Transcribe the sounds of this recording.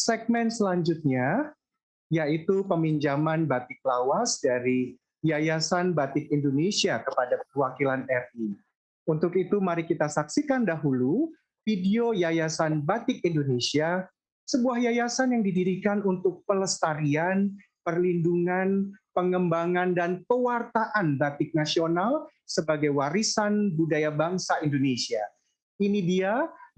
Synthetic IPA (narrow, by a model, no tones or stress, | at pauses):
sɛɡ̚mɛnsəlaɲd͡ʒut̪̚ɲa | jait̪upəmiɲd͡ʒamanbat̪ɪk̚lawasdaɾi | jajasanbat̪ɪkindonesiakəpadakəwakilanɛri | unt̪ʊkit̪umaɾikit̪asaksikandaɦulu | fidiojajasanbat̪ɪk̚indonesia | səbuahjajasanjaŋdidiɾikanunt̪ʊk̚pələst̪aɾian | pərlinduŋanpəŋəmbaŋandanpəwart̪aʔanbat̪ɪk̚nasionalsəbaɡajwaɾisanbudajabaŋsaindonesia | inidia